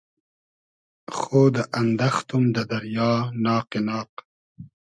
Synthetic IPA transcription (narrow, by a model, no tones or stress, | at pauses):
xoːd̪əʔɐnd̪ɐxt̪umd̪əd̪ɐɾjɑːnɑːqenɑːq